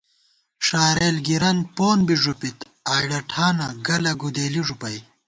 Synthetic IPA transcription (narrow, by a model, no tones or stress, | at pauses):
ʂaːɾeːlɡiɾɐnpoːnbiʐupit̪ | aːjɽɐʈʰaːnɐɡɐlɐɡud̪eːliʐupɐj